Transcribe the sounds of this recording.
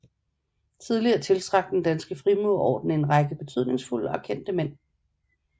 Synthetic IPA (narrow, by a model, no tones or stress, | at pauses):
t͡sʰið̞ˠliɐːt͡sʰe̝lsʰʁɑ̈ɡ̥̚d̥dend̥ænsɡ̥əfʁimuɒ̰ːd̥n̩əe̝nʁɑ̈ɡ̥əb̥e̝t͡sʰyð̞̰ˠne̝ŋsful̰əɒ̽kʰen̰d̥əmen̰